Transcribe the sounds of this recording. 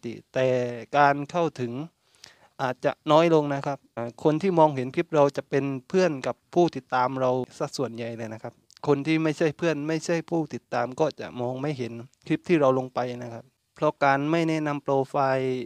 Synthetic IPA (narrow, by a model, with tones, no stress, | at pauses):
t̪ḭ˧˨t̪ɛː˨˩kaː˨˧nkʰa˥˩wt̪ʰɯ˨˩˦ŋ | ʔaː˨˩t̪̚t͡ɕa̰˧nɔː˧˥˩jlo˧ŋna˧˥˩kʰa˧˥˩p̚ːkʰo˧nt̪ʰiː˥˩mɔː˧ŋɦe˨˦npʰi˦˥p̚ɾa˧wt͡ɕa˨˧˦ʔpe˧npʰɯ˥˩ənka˧˦pʰːuː˥˩t̪i˨˦t̪ːaː˨˧mɾa˧wsa˧˩su˨˩ənja˨˩jlaː˧jna˦˧˥kʰa˦˧˥p̚kʰo˧nt̪ʰiː˧˥˩ma˥˩jsa˧˥˩jpʰɯ˥˩ənma˥˩jsa˥˩˨jpʰuː˥˩t̪i˨˧˦t̪ːaː˨˧mkɔː˧˩t͡ɕa̰˧˩ʔmɔː˧ŋma˥˩jɦe˨˦npʰi˦˥p̚t̪ʰiː˥˩ɾa˧wlo˧ŋpa˨˧jna˧˥kʰa˦˧˥p̚ | pʰlɔ˧˥kaː˨nma˥˩jnɛː˧˥˨na˧mploː˧faː˧j